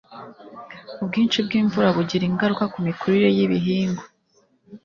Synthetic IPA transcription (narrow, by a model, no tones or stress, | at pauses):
ubɡiːnt͡ʃib̚ɡiːɱvuɾaβuɟiɾiŋɡaɾukakumikuɾiɾe̞jiβiɦiːŋɡo